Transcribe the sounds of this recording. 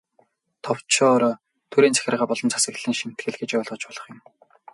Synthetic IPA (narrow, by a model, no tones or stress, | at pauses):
t̪ʰɔw̥t͡ɕʰɔːɾɔ | t̪ʰuɾiːnt͡sʰæ̥xʲɪ̆rʁaːpɔɮɞ̆nt͡sʰḁsɘ̆kt̪ɮiːŋʃim̥t̪ɡɘ̆ɮɡet͡ɕœːɮʁɞ̆t͡ɕpɔɮɞ̆χjʊ̆m